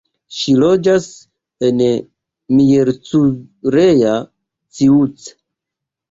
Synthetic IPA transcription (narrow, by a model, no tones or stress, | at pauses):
ʃilo̞d͡ʒas | en | mijeɾt͡suɾeja | t͡siut͡s